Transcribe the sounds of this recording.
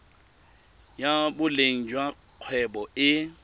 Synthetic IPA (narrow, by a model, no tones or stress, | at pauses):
jabʊleŋ̩d͡ʒwa | q͡χʰwɛbɔɪ